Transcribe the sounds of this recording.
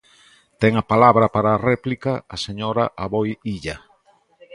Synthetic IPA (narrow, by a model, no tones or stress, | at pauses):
t̪ɛŋɐpalaβɾɐpaɾaːrɛplikaːseɲoɾaʔaβojiʎɐ